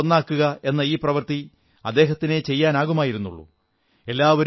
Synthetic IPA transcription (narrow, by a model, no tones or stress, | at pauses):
onːaːkːuɣɐe̞nːɐiːprɐʋɐrt̪i | ɐd̪ːe̞ːɦɐt̪ːine̞t͡ɕe̞jːaːnaːɣumaːjiɾunːṵɭːṵ | e̞lːaːʋɐɾ